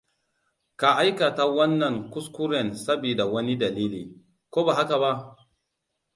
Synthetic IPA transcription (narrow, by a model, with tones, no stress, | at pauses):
ka˨ʔa˦jka˨ta˦wɐ˦nːɐ˨ŋku˦sku˦ɾɛ˨nsa˦biː˨da˨wɐ˦ni˦da˨liː˦liː˨ | koː˦ba˨ɦa˦ka˨ba˦ʔ